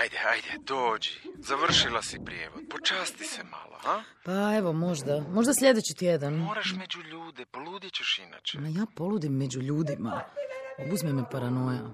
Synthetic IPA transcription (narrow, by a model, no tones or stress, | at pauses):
ajd̪eajd̪ed̪oːd͡ʑizaʋr̩ʃilasipɾjeːʋo̞d̪̚pot͡ʃaːst̪isema̰lo̰ha | pae̞ʋo̞mo̞ʒd̪amo̞ʒd̪aslʎʲe̞d̪et͡ɕit̪jed̪anoɾaʃmed͡ʑuʎuːd̪epoluːd̪jet͡ɕeʃina̰ːt͡ʃemajaːpo̞lud̪imːed͡ʑuʎuːd̪ima̰ | uzmemepaɾano̞ja